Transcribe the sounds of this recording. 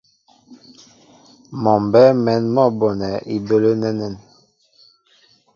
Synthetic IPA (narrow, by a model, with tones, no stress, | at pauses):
mɔ˨mbɛ˦mɛ˨nmɔ˦˨bɔ˨nɛ˨ʔi˦˨bə˦lə˦nɛ˦nə˨n